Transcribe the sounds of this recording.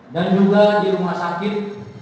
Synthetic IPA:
dand͡ʒuɡadilumasakɪt̪̚

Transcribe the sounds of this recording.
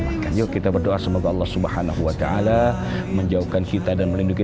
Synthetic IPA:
kanjokit̪abərdoʔasəmoɡaɑlːɑhsubəhanaɦuwat̪aʔala | məɲd͡ʒauhkankit̪adanməlinduki

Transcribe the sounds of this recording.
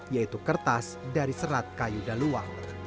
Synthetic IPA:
jait̪ukərt̪as | daɾisəɾat̪̚kajudalua̰ŋ

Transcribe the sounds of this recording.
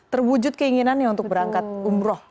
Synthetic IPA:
t̪ərwud͡ʒʊt̪̚kəiŋinanjaunt̪ʊk̚bəɾaŋkat̪̚umɾɔh

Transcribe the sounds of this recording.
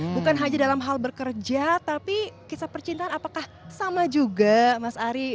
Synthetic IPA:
bukanɦaɲadalamɦalbərkərd͡ʒat̪apikisapərt͡ʃint̪aːnapakahsamad͡ʒuɡamasaɾi

